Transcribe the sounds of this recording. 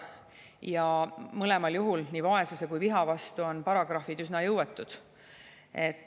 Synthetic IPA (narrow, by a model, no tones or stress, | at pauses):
jɑmɤle̞mɑljuɦulniːvɑe̞sɑsekujviɦɑvɑst̪uo̞npɑɾɑɡ̥ɾɑfid̪ysnɑjɤwet̪ːˑud̪̥ | e̞t̪ːˑ